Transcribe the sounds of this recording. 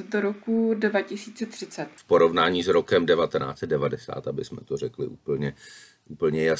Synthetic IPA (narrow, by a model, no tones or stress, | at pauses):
doɾokudvacɪsiːt͡sɛt̪r̝̥ɪt͡sɛt̪fpoɾo̞vnaːɲiːsɾokɛmdɛvat̪ɛna̰ːt͡sɛt̪̚dɛvadɛsa̰ːt̪ʔabɪsmɛ̰t̪orɛklɪ̰ʔuːpl̩ɲɛ | ʔuːpl̩ɲɛja